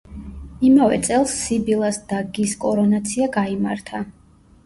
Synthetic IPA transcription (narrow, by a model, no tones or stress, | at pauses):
imavɛ̰t̪sʼɛlˠsːibilˠasd̪̥aɡiskʼɔɾɔnat̪sʰiaɡaima̰ɾt̪ʰa